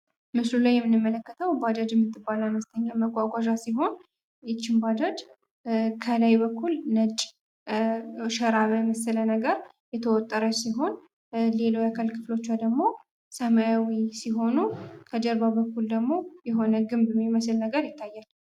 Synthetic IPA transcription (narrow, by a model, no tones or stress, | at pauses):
mɨslulajɛmːɨnːɨmːələkːət̪ʰəwbad͡ʒad͡ʒɛmːɨt̪ʰːɨbːalanəst̪ʰəɲːaməɡʷʼːaɡʷaʒasiɦo̞n | jɪt͡ʃːɪmbad͡ʒad͡ʒ | kʰəlajbəkʰːulnət͡ʃʼ | ʃəɾaβəməslənəɡəɾ | jɛt̪ʰəwɔt̪ʼːəɾəsiɦo̞n | le̞lojakʰəlkʰɨflo̞t͡ʃːad̪əɡmo̞ | səmajawisiɦo̞nukʰəd͡ʒəɾbabəkːuld̪əɡmo̞jɛɦo̞nəɡɨmbɛmːiməslnəɡəɾjɪt̪ʰːajːal